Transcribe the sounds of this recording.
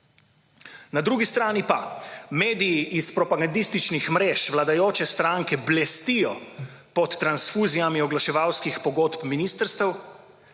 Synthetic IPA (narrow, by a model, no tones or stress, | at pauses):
nad̪ɾuːɡist̪ɾaːnipameːd̪ijːʔispɾɔpaɡand̪ist̪it͡ʃnixmɾeːʃʋlad̪ajoːt͡ʃɛst̪ɾaŋkɛblɛst̪ijɔ | pɔt̪ːɾansfuːzijamiɔɡlaʃɛʋawskixpɔɡoːt̪pminiːst̪əɾst̪əw